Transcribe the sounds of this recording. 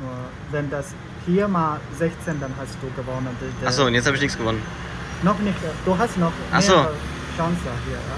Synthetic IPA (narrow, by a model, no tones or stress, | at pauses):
nuːɐ | vɛndas | fiːɐmaːlzɛçt͡seːndanɦast̚d̥uːɡəvɔnəndɪdaz̥oːntjɛt͡shabɪçnɪçt͡sɡ̥əvɔnən | nɔχnɪçtd̥uːɦastnɔχmaeːzoːə | ʃaŋsjahiːɐ